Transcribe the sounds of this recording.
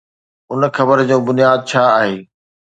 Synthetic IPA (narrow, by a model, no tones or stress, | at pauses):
ʊn̆xɐbəɾd͡ʑõːbʊnijaːd̪̚t͡ɕʰaːaːɦeː